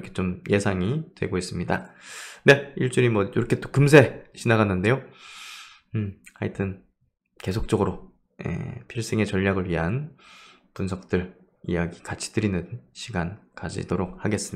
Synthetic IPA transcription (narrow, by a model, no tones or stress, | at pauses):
kʰe̞t͡ɕomje̞sʰaŋitwe̞̰ɡois͈ɯmɲidane̞iɭt͡ɕ͈uɾimwʌjoɾʌkʰet͈o̥kɯms̬ʰe̞ɕʰinaɡanːɯnde̞jo | a̰itʰɯn | ke̞sʰok̚t͡ɕ͈ʌɡɯɾo | jḛpʰiɭs͈eŋe̞t͡ɕʌʎːaɡɯɭɥiɦan | punsʰʌk̚t͈ɯɭ | ijaɡikat͡ɕʰi̥tɯɾinɯnɕʰiɡankad͡ʑḭdoɾok̚haɡe̞s͈ɯm